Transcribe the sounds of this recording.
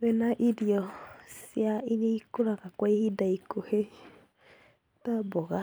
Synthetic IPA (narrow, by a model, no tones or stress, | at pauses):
βɛnaʔiɾiɔsjaineikoɾaɣakwaihidaikohe | tabɔɣa